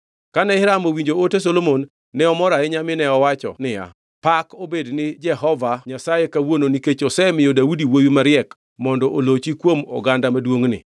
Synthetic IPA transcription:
kanɛɪɾamowiɲd͡ʒootes̬olomonː | ɛɔmɔɾaɛɲamɪnɛɔwat͡ʃɔ̰nɪja̰ | pakobednɪd͡ʒɛɦɔvaɲasajekawononiket͡ʃosɛmɪjodaudiwojumaɾɪɛk | mɔndɔʔolot͡ʃikwomɔ̰ɡandamadwoŋnɪ̰

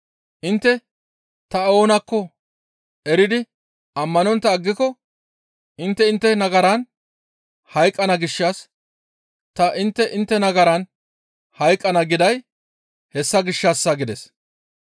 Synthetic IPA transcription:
ʔɪnt̪ːɛ | t̪ɐo̞ːnɐkːɔ | ʔɛɾɪd̪ɪ | ʔɐmːɐnɔnt̪ːɐːɡːɪkɔ | ɪnt̪ːɛɪnt̪ːɛnɐɡɐɾɐn | hɐjkʼːɐnɐɡɪʃːaːs | t̪ɐʔɪnt̪ːɛʔɪnt̪ːɛnɐɡɐɾɐn | hɐjkʼːɐnɐɡɪd̪ɐj | hɛsːɐɡɪʃːaːsːaɡɪd̪ɛs

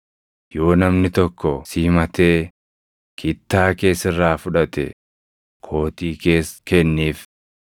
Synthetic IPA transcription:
jo̞ːnɐmnɪt̪ɔkːɔsiːmɐt̪eː | kʰɪt̪ːaːke̞ːsɪrːaːfʊᶑɐt̪ɛ̰ | kʰo̞ːt̪iːke̞ːskɛnːiːf

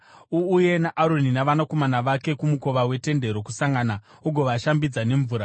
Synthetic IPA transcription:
uːje̞naʔaɾoninaʋanako̞manaʋake̞kumuko̞ʋawe̞te̞nde̞ɾo̞kusaŋɡana | uɡʱo̞ʋaʃambid͡zane̞ɱvuːɾa

